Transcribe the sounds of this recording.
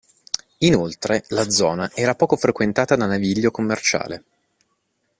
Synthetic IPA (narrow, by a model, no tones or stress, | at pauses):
inolt̪ɾelad̪zɔːnaʔɛːɾapɔːkofɾekwent̪aːt̪ad̪anaviʎːokomːert͡ʃa̰ːle